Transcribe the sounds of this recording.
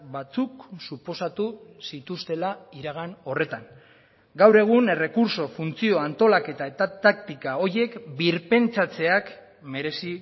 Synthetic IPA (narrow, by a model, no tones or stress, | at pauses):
bat͡suksupo̞sat̪usit̪ust̪e̞laiɾaɣ̞ano̞re̞t̪aŋ | ɡawɾe̞ɣ̞une̞re̞kuɾso̞funt͡sio̞ant̪o̞lake̞t̪ae̞t̪at̪ak̚t̪ikao̞ɾje̞kbiɾpe̞nt͡sat͡se̞ak | me̞ɾe̞si